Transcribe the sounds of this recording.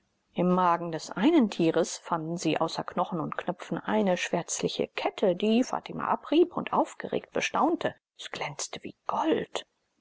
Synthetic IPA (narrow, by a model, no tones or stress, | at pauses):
ʔɪmːaːɡŋ̩dɛsʔaɪnəntʰiːʁəsfandn̩ziːʔa̰ʊsɐknɔχn̩ʊntknœpp͡fn̩ʔaɪnəʃv̥ɛɐt͡slɪçə̰kʰɛtʰədiːfa̰ːtʰɪma̰ʔapʁiːpʊntʔaʊfɡ̥əʁḛːkt̚b̥əʃtaʊntʰə | ɛsɡ̥lɛnt͡stəvḭːɡ̥ɔlt